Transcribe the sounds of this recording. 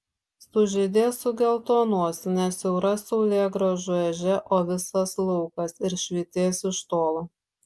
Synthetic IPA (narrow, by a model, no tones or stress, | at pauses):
sʊʒʲed̪ʲeːsʊɡʲɛlˠt̪oːnuɔsʲnʲɛsʲɛʊɾɐsɔʊlʲeːɡɾoːʒʊɛʒʲɛʔoːʋʲɪsɐslˠɔʊkɐsɪɾʃʲʋʲiːt̪ʲeːsɪʃt̪oːlˠoː